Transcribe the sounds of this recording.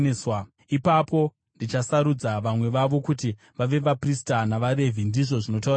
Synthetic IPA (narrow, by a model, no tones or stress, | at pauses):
swa | ipapo̞ | ndit͡ʃasaɾud͡zaʋamwe̞ʋaʋo̞kuti | ʋaʋe̞ʋapristanaʋaɾe̞vindiʐo̞ʐino̞t̬aɾa